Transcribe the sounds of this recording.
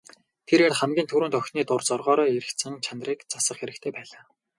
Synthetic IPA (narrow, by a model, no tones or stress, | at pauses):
t̪ʰeɾeːrχæmɡʲiːnt̪ʰɵɾuːnt̪œxʲniːt̪ʊrt͡sɔrʁɔːɾɔːeɾɘ̆kt̪sɘ̆ŋt͡ɕʰanriːkt͡sasə̆χxeɾɘ̆kt̪ʰeːpæːɮaː